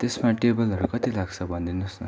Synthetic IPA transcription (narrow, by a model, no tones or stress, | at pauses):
t̪esmaʈebʌlɦʌɾukʌt̪ilaɡt͡sʰʌbʱʌnd̪inʌsnʌ̰